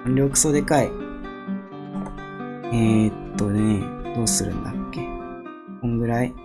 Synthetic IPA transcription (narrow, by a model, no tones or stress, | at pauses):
ɲɾʲo̞kɯ̟̥soːd̪e̞kai | et̪ːo̞ned̪o̞ːsɨɾɯ̟̰̃nd̪akːe̞ | kõ̞ŋɡɯ̟ɾai